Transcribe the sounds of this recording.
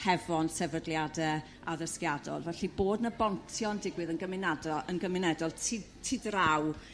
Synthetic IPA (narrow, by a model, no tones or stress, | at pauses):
hɛvɔnsɛvədlˠjadɛ | aðəskjadɔ̰lˠvɛɬiboːdnəbɔntʰjɔndɪɡwɨðənɡəmɪnadɔənɡəmɪnɛdɔlˠtʰi | tʰɪdraw